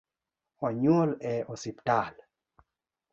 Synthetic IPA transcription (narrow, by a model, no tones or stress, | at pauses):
ɔɲolɛosiptal